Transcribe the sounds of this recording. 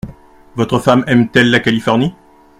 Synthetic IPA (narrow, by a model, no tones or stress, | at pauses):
vɔt̪χəfamɛmt̪ɛlːakalifɔʁni